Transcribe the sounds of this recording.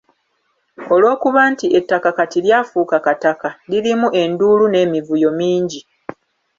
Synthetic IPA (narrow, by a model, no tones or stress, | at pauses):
o̞lwo̞ːkuβaːntiʔe̞tːakakatiljaːfuːkakatakaliɾimuʔe̞ndulune̞ːmivujo̞miːɲɟi